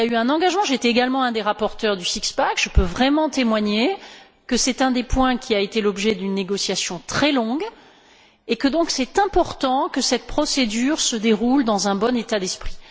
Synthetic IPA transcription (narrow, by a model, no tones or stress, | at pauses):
iljayɛ̃nɑ̃ɡaʒmɑ̃ʒet̪ɛeɡalmɑ̃ɛ̃d̪eʁapɔʁt̪œʁd̪ysikspakʒ̥əpøvʁɛmɑ̃t̪emwaɲe | kəsɛt̪ɛ̃d̪epwɛ̃kʲʰiaet̪elɔbʒɛd̪ynːeɡɔsjasjɔ̃t̪χɛlɔ̃ɡ | ekəd̪ɔ̃ksɛt̪ɛ̃pɔʁt̪ɑ̃kəsɛt̪̚pχɔsed̪yʁsəd̪eʁuld̪ɑ̃zɛ̃bɔnet̪ad̪ɛspχi̥